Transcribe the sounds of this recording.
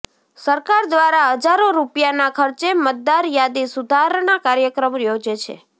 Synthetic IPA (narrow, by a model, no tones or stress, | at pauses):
səɾkaɾd̪ʋaɾaɦəd͡ʒaɾoɾupjanakʰəɾt͡ʃemət̪̚d̪aɾjad̪isud̪ʱaɾnakaɾjəkɾəmjod͡ʒet͡ʃʰḛ